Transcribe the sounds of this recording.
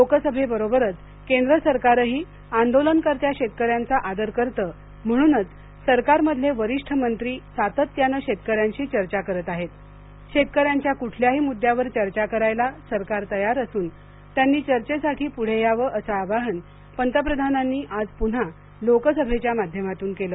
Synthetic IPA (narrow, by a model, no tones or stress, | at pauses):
lokəsəbʱebəɾobəɾət͡s | kend̪ɾəsəɾkaɾəɦiː | and̪olənkəɾt̪jaɕet̪̚kəɾjant͡saʔad̪əɾkəɾt̪əː | m̤əɽ̃uːnət͡s | səɾkaɾməd̪ʱljeʋəɾiʂʈʰəmənt̪ɾiːsat̪ət̪ːjanəɕet̪kəɾjaɲt͡ɕiːt͡ɕəɾt͡ɕakəɾət̪aɦet̪ | ɕet̪̚kəɾjaɲt͡ɕjakuʈʰljaɦiːmud̪ʱːjaʋəɾt͡ɕəɾt͡ɕakəɾajlasəɾkaɾt̪əjaɾəsuːn | t̪janːiːt͡ɕəɾt͡ɕesaʈʰiːpuɽ̤ejaʋəʔəsaːʋaɦən | pənt̪əpɾəd̪ʱananːiːʔad͡zpuɽ̤a | lokəsəbʱet͡ɕjamad̪ʱjəmat̪uːnkeləː